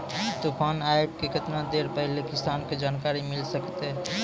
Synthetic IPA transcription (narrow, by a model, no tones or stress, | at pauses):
t̪opʰənajeb̚kekɪt̪nad̪eɾpəɦlekɪsanked͡ʒaːnkaɾimɪlsəkt̪eɦ